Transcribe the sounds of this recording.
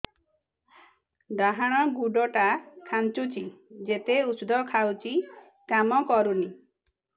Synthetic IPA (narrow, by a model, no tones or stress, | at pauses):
d̪aɦaɽ̃ɔɡuɖɔʈakʰant͡ʃut͡ʃʰid͡ʒet̪eusd̪ʱɔkʰawt͡ʃi | kamɔkɔɾuni